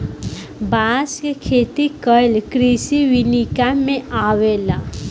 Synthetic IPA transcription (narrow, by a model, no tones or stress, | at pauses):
baskekʰet̪ikəjlkɾisiwinikamẽawela